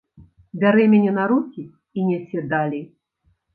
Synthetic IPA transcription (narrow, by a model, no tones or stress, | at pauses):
bʲaɾɛmʲanʲɛnaɾukʲi | inʲɛsʲɛd̪alʲi